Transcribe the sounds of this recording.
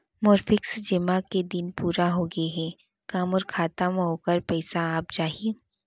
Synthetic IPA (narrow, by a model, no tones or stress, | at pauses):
mɔːɾfɪksd͡ʒɪmaked̪ɪnpuːɾaɦoːɡəeɦɛː | kaːmɔːɾkʰaːt̪amɦoːkəɾpɛːsaaːp̚t͡ʃaːɦieː